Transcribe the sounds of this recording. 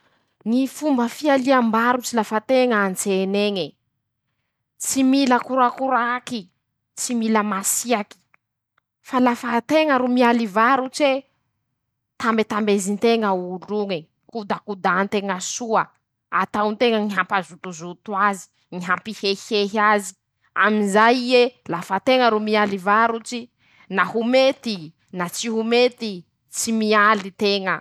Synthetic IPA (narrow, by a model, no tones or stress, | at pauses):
ŋifumbəfialiambaɾut͡ʃilafat̪eŋant͡seneŋe | t͡similəkuɾakuɾaki | t͡similəmasiaki̥ | falafat̪eŋəɾumialivaɾut͡ʃe | t̪ambet̪ambezint̪eŋəuluŋe | kud̪akud̪ant̪eŋəsuə | at̪awnt̪eŋəŋiɦampazut̪uzut̪wazi̥ | ŋiɦampiheheɦiazi̥ | a̰minzajielafat̪eŋəɾumialivaɾut͡ʃi | nahumet̪i | nat͡siɦumet̪i | t͡simialit̪eŋə